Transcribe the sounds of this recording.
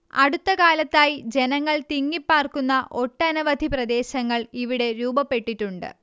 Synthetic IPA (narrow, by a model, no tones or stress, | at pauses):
ɐ̰ɽut̪ːɐkaːlɐt̪ːaːjid͡ʑe̞nɐŋːɐɭt̪iŋːipːaːrkunːɐʔo̞ʈːɐnɐʋɐd̪ʱiprɐd̪e̞ːɕɐŋːɐɭiʋiɽe̞ɾuːbɐpːe̞ʈːiʈːuɳɖɨ̰